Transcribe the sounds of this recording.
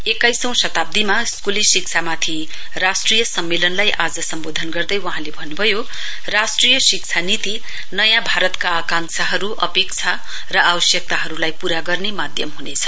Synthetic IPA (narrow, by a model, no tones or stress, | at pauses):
ekajsʌ̃w̃sʌt̪ab̚d̪imaskulisik̚t͡sʰamat̪ʰi | rasʈrijʌsʌmːelʌnlajʔad͡zʌsʌmbod̪ʱʌnɡʌrd̪ʌjwʌɦãlebʱʌnːubʱʌjo | rasʈrijʌsikt͡sʰanit̪i | nʌjãbʱaɾʌt̪kaːkãŋsaɦʌɾuʔʌpek̚t͡sʰa | rʌabʌsjʌk̚t̪aɦʌɾulajpuɾaɡʌrnemad̪ʱjʌmɦunet͡sʰʌ̥